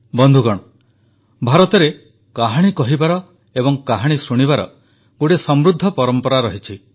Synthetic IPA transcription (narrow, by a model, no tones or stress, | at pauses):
bɔnd̪ʱuɡɔɽ̃ɔ | bʱaɾɔt̪ɔɾe | kaɦaɽ̃ikɔɦibaɾɔ | ebɔŋkaɦaɽ̃isuɽ̃ibaɾɔ̰ | ɡuʈesɔmɾud̪ʱːɔpɔɾɔmpɔɾaɾɔɦit͡ʃʰi